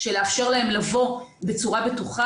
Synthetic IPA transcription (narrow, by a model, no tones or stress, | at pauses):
ʃe̞leafʃe̞ʁlae̞mlavo̞be̞t͡suʁabetuχa